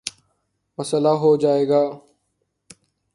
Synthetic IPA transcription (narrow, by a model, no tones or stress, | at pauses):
məsəlaːɦoːd͡ʒaːeːɡaː